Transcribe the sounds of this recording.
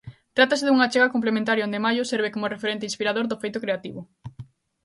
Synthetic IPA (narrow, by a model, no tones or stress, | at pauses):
t̪ɾat̪asɪðuŋat͡ʃeɣakomp̬lemẽnt̪aɾjoõnd̪emajʊseɾβekomʊrefeɾent̪̬ɪĩnspiɾaðoɾðʊfejt̪ʊkɾeat̪iβʊ